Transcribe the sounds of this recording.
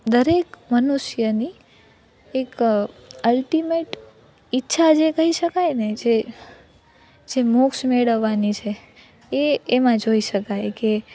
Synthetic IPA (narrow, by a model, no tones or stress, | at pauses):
d̪əɾekmənuʃjəni | ek | əlʈimeʈ | itːʃʰad͡ʒekəɦiʃəkajned͡ʒe | d͡ʒemukʃmeɽəʋːanit͡ʃʰe | eːmãd͡ʒoiʃəkajke